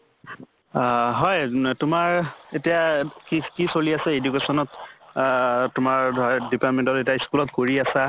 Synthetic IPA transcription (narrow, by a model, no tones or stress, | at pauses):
ɦɔjtʊmaɹetijakikisoliasɛedukesɔnɔt | tʊmaɹdʱdipatmentɔtetiaiskulɔtkoɹiasa